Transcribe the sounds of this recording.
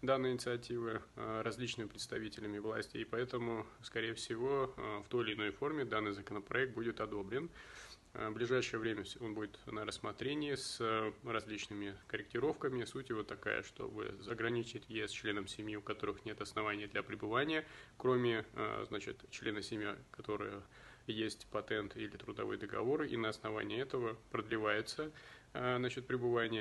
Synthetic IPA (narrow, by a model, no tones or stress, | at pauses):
d̪anːɨjəɪnʲɪt̪sɨɐtʲivɨɾɐzʲlʲit͡ɕnɨmʲɪpɾʲɪt̪st̪ɐvʲitʲɪlʲɪmʲɪvlˠɐ̰sʲtʲejpɐɛt̪əmʊ | skɐɾʲejəfsʲɪvo̞ft̪o̞jɪlʲɪːno̞jfo̞rmʲɪd̪anːɨjzəkənəpɾɐɛk̚t̪̚budʲɪt̪ɐd̪o̞bɾʲɪn | blʲɪʐajʂɨjəvɾʲemʲəfo̞nbudʲɪt̪nəɾəsːmɐt̪ɾʲenʲɪɪsərɐzʲlʲit͡ɕnɨmʲɪkəɾʲɪk̚tʲɪɾo̞fkəmʲɪsutʲjɪvo̞t̪ɐka̰jə̰ʂt̪o̞̰bɨ̰ɐɡɾɐnʲit͡ɕɪtʲjɪɛst͡ɕlʲe̞nəmsʲɪmʲjiʊkɐt̪o̞ɾɨxnʲe̞t̪ɐsnɐvanʲɪjəd̪lʲɐpɾʲɪbɨvanʲɪjəkɾo̞mʲɪ̰znat͡ɕɪ̰t̪t͡ɕlʲe̞nəsʲɪmʲja̰kɐt̪o̞ɾɨ̰jə | jesʲtʲpɐt̪ɛnt̪ilʲɪt̪ɾʊd̪ɐvɨ̰jd̪əɡɐ̰vo̞ɾɨʔḭnəɐsnɐva̰nʲɪɪɛt̪əvəpɾəd̪lʲɪvajɪt̪səznat͡ɕɪt̪̚pɾʲɪbɨvanʲɪjə